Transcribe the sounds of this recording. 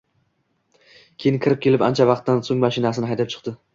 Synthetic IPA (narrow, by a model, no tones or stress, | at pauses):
kʲʰejɪnkʰʲɪɾɪp̚kʲʰe̞lɪpa̰nt͡ʃʰavɑq̚t̪ːansoŋmaʃɪnasɪnɪhajd̪ap̚t͡ʃʰɨ̥qd̪ɪ